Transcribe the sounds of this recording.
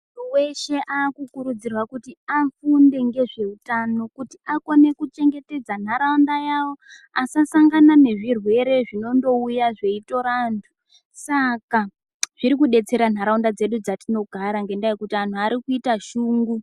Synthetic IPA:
uuwe̞ʃe̞ʔaːkukuɾud͡zirwakutiafunde̞ŋɡe̞ʐe̞utano̞kutiʔako̞ne̞kut͡ʃe̞ŋɡe̞te̞d͡zan̤aɾaundajawo̞ | asasaŋɡanane̞ʐirwe̞ɾe̞ʐino̞ndo̞ujaʐe̞ito̞ɾantʰu̥ | saka | ʐ̥iɾikuɗe̞t͡se̞ɾan̤aɾaundad͡ze̞ɗud͡zatino̞ɡʱaɾaŋɡe̞ndajekutian̤uaɾikuitaʃuːŋɡu

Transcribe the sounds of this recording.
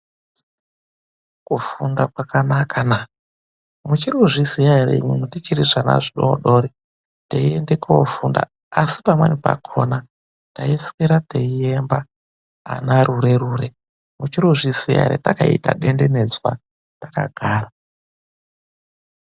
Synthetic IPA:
kufundakwakanakʰana | mut͡ʃiɾuʐisijaɾḛɲwimutit͡ʃiɾiʐana̰ʐiɗoɗoɾi | teiendekaofunda̰ | asipamwenipa̰kʰona | taiskeɾateiemba̰ː | naɾuɾeɾuːɾe | mut͡ʃiɾuʐisija̰ɾḛtakaḭta̰ɗendene̞d͡zwa̰ | taka̰ɡʱaːra

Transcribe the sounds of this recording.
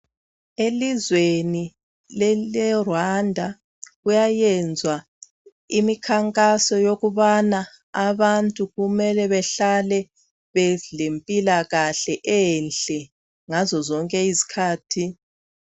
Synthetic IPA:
elizweni | lɛlɛrwandʱa | ɣujajɛnd͡zʱwa | imikʰaŋkʼasɔjoɣuβana | aβantʼuɣumɛlɛβɛɬalɛ | βɛlempʼilaɣaɬɛʔɛnɬʼɛ | ŋazɔzɔŋkʼɛizi̥kʰaːtʰi

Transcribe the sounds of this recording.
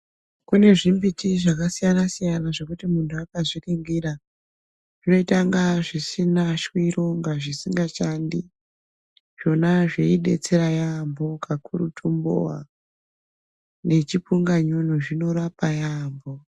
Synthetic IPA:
kune̞ʐimbitiʐakasijanasijanaʐe̞kutimuntʰuakaziriŋɡiɾa | ʐino̞itaŋɡaʐisinaʃwiɾo̞ŋɡaʐisiŋɡaʃandi | ʐ̥o̞naʐeiɗe̞̰t͡seɾajambo̞kʰakʰuɾutʰumbo̰a̰ | net͡ʃipuŋɡaɲonuʐino̞ɾapajambo̞

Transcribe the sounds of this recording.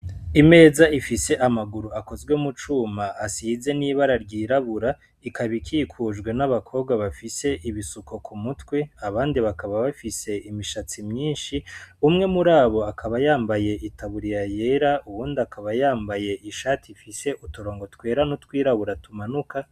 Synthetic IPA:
ime̞ːzaʔifise̞ʔamaɡuɾuako̞zɡwe̞mut͡ʃuːmaʔasize̞niːβaɾaɾɟiːɾaβuɾa | ikʰaβikʰiːkʰuʒɡwe̞naβakʰo̞b̚ɡwaβafise̞ʔiβisuko̞kʰumutweaβaːndiβakaβaβafise̞imiʃat͡simɲiːnʃiumŋe̞muɾaːβo̞akʰaβajaːmbaje̞ʔitʰaβuɾijaje̞ɾauβuːndiakaβajaːmbaje̞ʔiʃaːtʰifise̞ʔutuɾo̞ːŋɡo̞twe̞ːɾanutkwiːɾaβuɾatumanuka

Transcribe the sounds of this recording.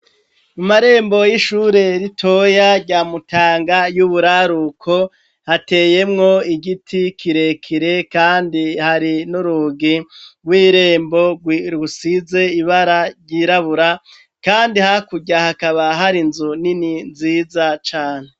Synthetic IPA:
mumaɾe̞ːmbo̞jiʃuːɾe̞ɾitʰo̞jaɾɟaːmutʰaːŋɡajuβuɾaɾukʰo̞ | hate̞ːje̞mŋo̞iɡitʰikʰiɾe̞kʰiɾe̞kaːndihaɾinuɾuɡiwiːɾe̞ːmbo̞ɡwiɾusize̞iβaɾaɾɟiɾaβuɾa | kaːndihakuɟahakaβaɦaɾinzunininziːzat͡ʃaːne

